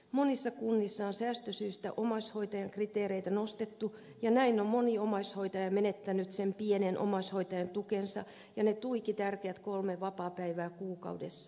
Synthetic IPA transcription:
monisːɑkunːisːɑonsæːst̪øsyːst̪æʔomɑshoit̪ɑjɑŋkrit̪eːɾeit̪ænost̪et̪ːu | jɑnæinːommoniomɑshoit̪ɑjɑmenet̪ːænyt̪sempienenʔo̰mɑshoit̪ɑjɑnt̪ukensɑ̰ | jɑnet̪uikit̪ærkeæt̪kolmeʋɑpɑːpæiʋæːkuːkɑ̰udesːɑ

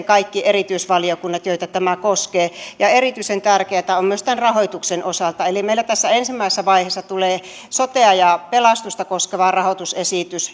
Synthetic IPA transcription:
kɑikːiʔerit̪yisʋɑliokunːɑt̪joit̪ɑt̪æmækoskeːjɑerit̪yisent̪ærkeæt̪æommyøst̪ænrɑhoit̪uksenʔosɑlt̪ɑelimeilːˑæt̪æsːæensimːæˑisesːæʋɑiheːsːɑt̪uleː | sot̪eɑjɑpelɑst̪ust̪ɑkoskeʋɑrɑhot̪usesit̪ys

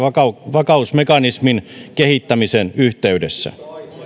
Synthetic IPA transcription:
ɑɑʋɑkɑusmekɑnisminkehit̪ːæmisenyht̪eydesːæ̰

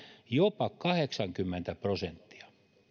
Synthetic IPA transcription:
jopɑkɑheksɑŋkymːent̪æprosent̪ːi̥ɑ̥

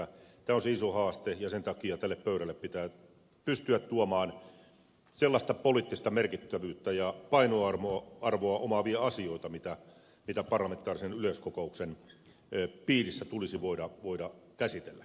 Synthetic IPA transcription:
æt̪æːonseisohɑːst̪ejɑsent̪ɑkiɑt̪ælːeppøyɾælːeppit̪æː | pyst̪yæt̪t̪uɑmɑːn | selːɑst̪ɑpoliːˑt̪ːist̪ɑmerkit̪ːæʋyːt̪ːæjɑpɑinoɑrmoɑɑrʋoɑʔomɑʋiɑɑsioit̪ɑmit̪æ | mit̪æpɑrlɑment̪ːˑɑːrisenyløskokouksen | piːrisːæt̪ulisiʋoidɑʋoidɑkæsit̪elːæ

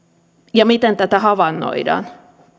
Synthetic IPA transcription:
jɑmit̪ent̪æt̪æhɑʋɑnːo̰idɑ̰ːn

